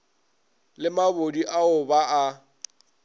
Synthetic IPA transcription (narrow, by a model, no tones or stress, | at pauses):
lɪmabodiʔaʊbaa